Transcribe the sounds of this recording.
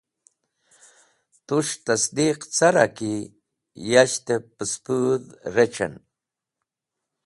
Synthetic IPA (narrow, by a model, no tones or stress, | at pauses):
t̪uʂt̪asd̪iqt͡saɾa̰ki | jaʃt̪epəspuðɾet͡ʃa̰n